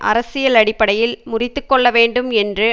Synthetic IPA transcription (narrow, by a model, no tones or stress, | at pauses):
ʔɐ̰ɾɐsɪjɐlɐɽɪpːɐɽɐjɪlmʊrɪt̪ːɯkːɔɭːɐʋeːɳɖɯmɛndrɯ